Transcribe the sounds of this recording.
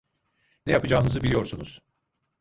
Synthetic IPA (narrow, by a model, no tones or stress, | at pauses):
nɛjapɯd͡ʒaːnɯzɯbilʲijo̞ɾsunuz̥